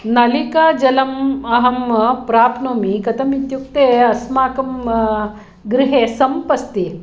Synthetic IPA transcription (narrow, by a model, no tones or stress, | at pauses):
nɐlikaːd͡ʒɐlɐmɐɦɐmɐpɾaːpnoːmikɐt̪ɐmit̪juk̚t̪eːɐsmaːkɐm | ɡɾɪɦesɐmpɐst̪i